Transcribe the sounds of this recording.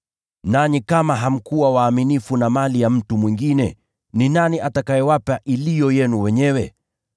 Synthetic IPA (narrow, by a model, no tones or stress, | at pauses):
nanikamaɦam̩kuwawaːminifunamalijam̩tumwiŋɡinɛ̰ | ninaniʔatakajɛwapaʔilijɔjɛnuwɛɲɛwɛ